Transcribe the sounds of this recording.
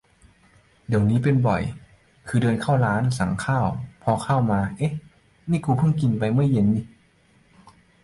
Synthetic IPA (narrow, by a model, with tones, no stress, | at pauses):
di˨˩əwniː˦˥˨pe˧nbɔ̰˨˩j | kʰɯː˧dɤː˧nkʰa˥˩wlaː˦˥nsa˨˩˦ŋkʰaː˥˩wpʰɔ˧kʰaː˥˩˨wmaː˧ʔe˦˥˦ | niː˥˩˨kuː˧pʰɯ˥˩˨ŋki˧˨npa˧jma˧˥˨jːe˧˦nːi˧˩